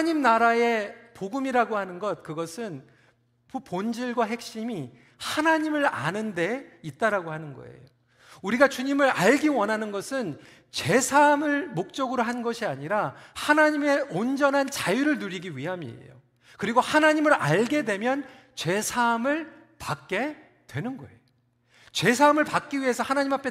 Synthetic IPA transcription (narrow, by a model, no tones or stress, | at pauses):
ɲimnaɾae̞poɡɯmiɾaɡohanɯnɡʌt̚kɯɡʌsʰɯn | ppond͡ʑiɭɡwaɦe̞k̚ɕ͈imi | hanaɲimɯɾa̰nɯnde̞it̚t͈aɾaɡohanɯnɡʌ̰ḛjo | uɾiɡat͡ɕuɲimɯɾaɭɡiwʌnɦanɯnɡʌsʰɯn | t͡ɕe̞sʰamɯɭmok̚t͡ɕ͈ʌɡɯɾoɦanɡʌɕʰiaɲiɾahanaɲime̞ond͡ʑʌnɦant͡ɕajuɾɯɭnuɾiɡiɥiɦamiḛjo̰ | kɯɾiɡohanaɲimɯɾaɭɡe̞dwe̞mjʌn | t͡ɕe̞sʰamɯɭ | pak̚k͈e̞ | twe̞nɯnɡʌ̰e̞jo | t͡ɕwe̞sʰamɯɭpak͈̚iɥiɦe̞sʰʌhanaɲimɦapʰe